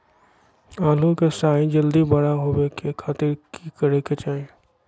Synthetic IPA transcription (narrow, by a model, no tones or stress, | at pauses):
aːlukesaːĩd͡ʒɐld̪ibɐɽaɦoːwekekʰaːt̪ɪɾkikɐɽeket͡ʃaːie